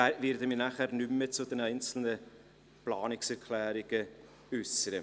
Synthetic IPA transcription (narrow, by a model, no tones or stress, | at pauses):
avɪɾdəminaχæːɾnʏmːət͡sʊd̪ɛnɛɪnt͡sl̩nə | plɑːnɪksɛɾkʰlæːɾɪɡ̥ə | ʏsəɾə